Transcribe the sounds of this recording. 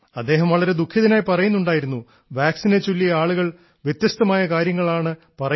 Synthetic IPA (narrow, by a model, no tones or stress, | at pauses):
ɐd̪ːeːɦɐmʋɐɭɐɾe̞d̪ukʰːjɐðinaːjpɐrɐjunːuɳɖaːjiɾunːu | ʋaːksinet͡ɕːulːiaːɭuɣɐɭ | ʋjet̪jɐst̪ɐmaːjɐkaːɾjɐŋːɐɭaːɳɨ | pɐrɐ